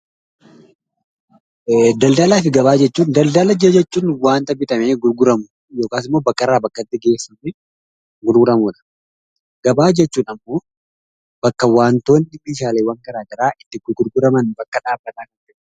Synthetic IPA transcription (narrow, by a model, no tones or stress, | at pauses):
d̪ɐld̪ɐlaːfɪɡɐbaːd͡ʒɛt͡ʃːuːnd̪ɐld̪ɐlɐd͡ʒɐd͡ʒɛt͡ʃːuːnwaːnt̪ɐbɪt̪ʼɐmeːɡʊɾɡʊɾɐmʊ | jo̞ːkaːsɪmːo̞ːbɐkːɐɾaːbɐkːɐt̪ːɪɡe̞ːsːɐmɛ | ɡʊɾɡʊɾɐmuːᶑɐ̥ | ɡ̥ɐbaːd͡ʒɛt͡ʃːuːnɐmːo̞ː | b̥ɐkːɐwaːnt̪o̞ːnɪmiːʃaːleːwɐŋkɐɾaːɡ̪ɐɾaːʔɪt̪ːɪɡʊɡʊɾɡʊɾɐmɐnbɐkːɐᶑaːbːɐt̪ʼaːkɐnd͡ʒɛ